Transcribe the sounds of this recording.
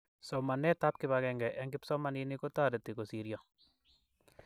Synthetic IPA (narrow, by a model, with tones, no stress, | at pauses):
sɔ˨ma˨nɛ˦ta˦p̚kɪβakɛŋɡɛ˨ʔɛ˦ŋɡɪpsɔ˦ma˦niniko˦ta˦de˨te˨ko˨siɾja˨